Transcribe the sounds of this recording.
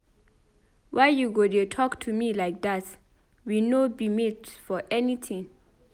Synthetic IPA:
wʔajjuɡodetʰɔktʰumilajk̚dat | winobimetfɔʔɛnitʰĩŋ

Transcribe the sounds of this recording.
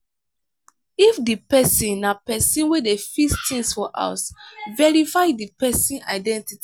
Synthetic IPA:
ifdipɛsĩnapɛsĩnwedefistʰĩŋsfɔʔa̰svɛɹifajdipɛsĩna̰ɪdɛ̃ntiti

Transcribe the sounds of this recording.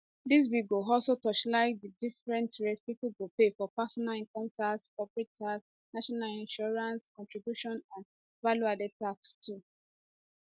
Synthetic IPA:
dis̬biɡoɔlsotɔt͡ʃlaɪdidifɹɛ̃ntɹɛspipuɡopefɔpasɔnalĩnkɔ̃ntaskɔpɹetʰas | naʃɔnalĩnʃɔɹãnskɔ̃ntɹibjuʃɔ̃nãn | valuadɛtakstʰu

